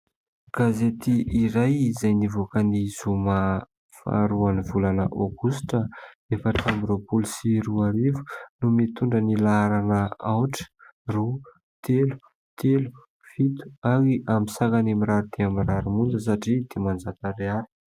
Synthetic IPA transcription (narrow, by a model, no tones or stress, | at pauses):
ɡ̥azet̪iʔiɾajizajnivokənizuma | fa̰ɾuanivulanəʔoɡusʈ͡ʂə | efəʈ͡ʂambɾopulisiɾuaɾivu̥numit̪uɳɖ͡ʐənilaaɾanəawʈ͡ʂə̥ru | t̪ʰelu̥ | t̪ʰelu̥ | fit̪u̥aɾiʔamisakanamiɾaɾud̪̥eamiraɾumund͡zəs̬aʈ͡ʂid̪̥emand͡zat̪əɾeaɾi̥